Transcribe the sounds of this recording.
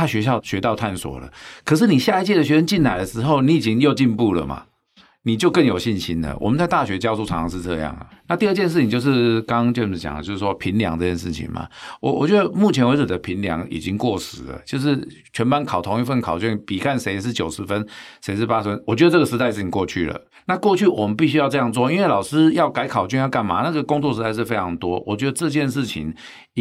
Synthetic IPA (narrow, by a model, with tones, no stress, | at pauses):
t̪ʰa˥ɕɥɛ˧˥ɕjɑ˥˧ʊɕɥɛ˧˥t̪ɑ˥˧ʊa˥˩nswɔ̰˨˩lə̰˦kʰɤ˨˩ʂ̬ɻ̩˥˩ni˨˩ɕja˥˧i˥t͡ɕi˥˩də˩ɕɥɛ˧˥ʂə˥nt͡ɕi˥˩nna˨˩ɪlə˩ʂɻ̩˧˥xo˥˩ʊni˨˥˩i˨˩t͡ɕi˦˥ŋjo˥˧ʊt͡ɕi˥˧npu˥˩lə̰˩ma̰˨˩ | ni˨˩t͡ɕjo˥˧ʊkə˥˩ŋjo˨˩ʊɕi˥˩nɕi˥nd̪ə̰˨˩wʔɔ̰˨˩mə˦nt͡sa˥˧ɪt̪a˥˨˩ɕɥɛ˧˥t͡ɕjɑ˥ʊsu˥˩ɑ˧˥ŋʂʰɑ˧ŋʂ̬̩˥˧t͡sɤ̰˥˧jɑ̰˥˩ŋlə̰˩na˥˧t̪i˥˧ə˥˩t͡ɕjɛ˥˧nʂ̬ɻ̩ʰ˥˩i˨ŋt͡ɕo˥˧ʊʂ̬ɻ̩˥˧kɑ˥˦ŋt͡ɕj̩˥˩˥t͡ɕjɑ̰˨˩ŋdə̰˦t͡ɕjo˥˧ʊʂ̩ɻ̩˥˩ʂwɔ˥pʰi˧˥nljɑ̰˧˥ŋt͡sɤ˥˧t͡ɕjɛ˥˧ʂ̬ɻ̩˥˩t͡ɕʰḭ˨˩ŋma̰˨˩wɔ̰˨wɔ̰˨˩t͡ɕɥɛ˧˥d̪ə˧mu˥˩t͡ɕʰjɛ˧nwe˧˥ʈ͡ʂ̩˨˩d̪ə˦˩pʰi˧˥nljɑ̰˧˥ŋḭ˨˩t͡ɕi˦ŋkwɔ˥˩ʂɻ̩˨˩˦lə̰˨t͡ɕjo˥˧ʊʂ̬ɻ̩˥˩ | t͡ɕʰɥɛ˧˥npa˥˦nkʰɑ˨˩ʊt̪ʰo˧˥ŋi˧˥fə˥˩nkʰɑ˨˩ʊt͡ɕɥy˥˩pi˨˩kʰa˥˩nʂe˧˥ɪ˧ʂ̬ɻ̩˥˩t͡ɕjo˨˩ʊʂɻ̩˧˥fə˦nse˧˥ɪʂ̬ɻ̩˥˩pa˦˥ʂɻ̩˧˥fə˧˥nwɔ˨˩t͡ɕɥɛ˧˥ə˧ʈ͡ʂɤ˥˩ɡə˩ʂ̩˧˥t̪a˥˧ɪʂ̬̩˥˩i˨˩ŋkwɔ˥˧t͡ɕʰy̰˥˩lə̰˩ | na˥˧kwɔ˥˧t͡ɕʰy˥˩wɔ˨˩mə˨˦npi˥˩ɕy˥jɑ˥˧ʈ͡ʂɤ˥˧jɑ˥˧ŋt͡swɔ˥˧i˥nwe˩lɑ˨˩ʊʂɹ̩˥jɑ˥˩ʊka˧˥ɪkʰɑ˨˩ʊt͡ɕy˥˧njɑ˥˩ʊka˥˩nma̰˨˦na˥˩ɡə˨kʊ˥ŋt͡swɔ˥˨ʂɻ̩˧˥t̪a˥˧ɪʂ̬ɻ̩˥˩fe˥ɪʈ͡ʂʰɑ˧˥ŋt̪wɔ˥wʔɔ˨˩t͡ɕɥɛ˧˥d̪ə˧ʈ͡ʂɤ˥˧t͡ɕjɛ˥˧nʂɻ̩˥˩t͡ɕʰḭ˨˩ŋ